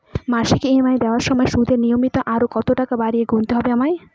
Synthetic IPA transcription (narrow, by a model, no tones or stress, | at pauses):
maʃikeeɦimajd̪ɛwaɾʃɔmɔeʃud̪ʱenijomit̪ɔʔaɾokɔt̪oʈakabaɾieɡunt̪eɦɔbeamaj